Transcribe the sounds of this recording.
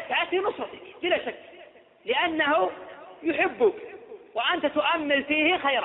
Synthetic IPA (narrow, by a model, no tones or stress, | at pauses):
t̪ʕat̪ːinʊsɾˤɑt̪ɪ̥kbɪlaʃakː | lɪʔanːahujʊħɪbːʊkwɪʔant̪at̪ʊʔamːɪlfiːhɪxajɾ